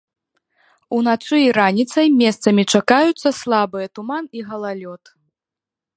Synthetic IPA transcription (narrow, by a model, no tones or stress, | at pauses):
unat̪sɨiɾanʲit̪sɐjmʲɛst̪sɐmʲit͡ʂakajut̪sːɐslˠabɨjɛt̪umaniɣɐlˠalʲɔt̪